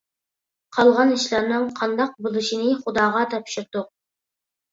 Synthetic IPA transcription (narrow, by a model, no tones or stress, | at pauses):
qʰɑlˠʁɑniʃlæɾnɨŋqʰɑnd̪ɑq̚bolˠɨʃinɪχud̪ɑːʁɑt̪ʰɑpʃɪɾd̪uq̚